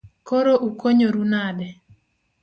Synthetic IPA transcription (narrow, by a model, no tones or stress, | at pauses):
koɾoʔukoɲoɾunadɛ